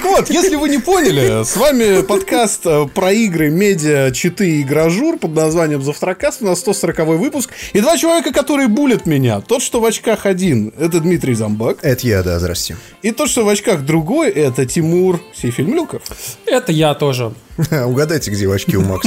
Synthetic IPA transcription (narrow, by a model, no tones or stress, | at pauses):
t̪əkvo̞t̪jesʲlʲɪvɨnʲɪpo̞nʲɪlʲɪsvamʲɪpɐt̪kast̪əpɾɐiɡɾɨmʲedʲɪət͡ɕɪt̪ɨɪɡɾɐʐurpəd̪nɐzvanʲɪjəmzəft̪əɾɐkast̪ʊnasːt̪o̞səɾəkɐvo̞jvɨpʊskɪd̪vat͡ɕɪlˠɐvʲekəkɐt̪o̞ɾɨjəbulʲɪt̪mʲɪnʲa̰t̪o̞t̪ʂt̪o̞vɐt͡ɕkaxɐdʲinɛt̪əd̪mʲit̪ɾʲɪjzɐmbakɛt̪əjad̪a̰zd̪ɾa̰sʲtʲɪ | it̪o̞t̪ʂt̪o̞vɐt͡ɕkaxd̪ɾʊɡo̞jʔɛt̪ətʲɪmurfsʲejfʲɪlʲmlʲukəfɛt̪əjat̪o̞ʐəʊɡɐd̪ajtʲɪɡdʲevɐt͡ɕkʲiʊma̰ks